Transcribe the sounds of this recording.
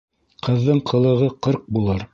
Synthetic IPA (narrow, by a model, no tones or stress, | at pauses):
qʰɤ̆ðːɤɴqʰɤ̆lˠɤ̆ʁɤqɤɾq̚bulˠɤɾ